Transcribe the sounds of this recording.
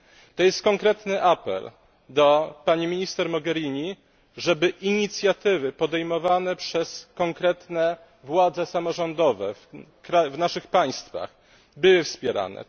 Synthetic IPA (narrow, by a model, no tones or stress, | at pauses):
t̪ɔjɛst̪̚kɔŋkɾɛt̪nɘʔapɛ̰l | d̪ɔpaɲimʲiɲist̪ɛɾmɔɡɛɾʲiɲi | ʐɛbɘʔiɲit̪sʲjat̪ɘvɘpɔd̪ɛjmɔvanɛpʂɛskɔŋkɾɛt̪nɛ | vwad̪zɛsamɔʐɔnd̪ɔvɛ̰fkɾavnaʂɘxpaj̃st̪fa̰x | bɘwɘfspʲjɛɾa̰nɛ̰